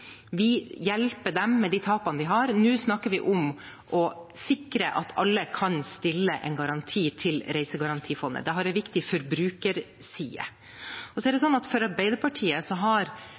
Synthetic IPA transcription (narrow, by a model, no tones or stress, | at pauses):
ʋɪjɛlpəɖɛmːɛd̪it̪ʰɑːpɑnəd̪ɪɦɑɾnʉːsnɑkːəɾʋɪʔʊm | ʔɔsɪkɾəʔɑ̰t̪ʰɑ̰lːəkʰɑnst̪ɪlːəʔɛ̰ɪnɡɑɾɑnt̪ʰiːt̪ʰɪlɾæɪsəɡɑɾɑnt̪ʰiːfɔnd̪ə̰d̪ɛɦɑɾɛʋɪkt̪ɪfɔɾbɾʉːkəɾ | sḭːə̰ | ɔsɔɛɖɛsɔnːɑt̪fɔɾɑɾbæɪd̪əɾpʰɑʈʰiːəsɔɦɑɾ